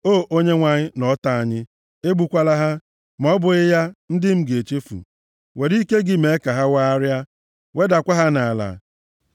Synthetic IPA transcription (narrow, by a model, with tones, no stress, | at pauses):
oː˦˨ʔo˦ɲe˦ŋʷa˨ɲɪ˦nɔ˨˦ta˨a˨ɲɪ˦ | e˦ɡ͡bu˦kʷa˦la˦ɦa˦ | m˨ɔ˦bʊ˨ɪ˦ja˦n̩˦dɪ˦m̩˦ɡe˨t͡ʃe˦fṵ˨ | we˨ɾi˦ke˦ɡɪ˦me˨˦ka˨ɦa˦wa˦a˦ɾja˦ | we˦da˨kʷa˦ɦa˦na˨a˨la̰˨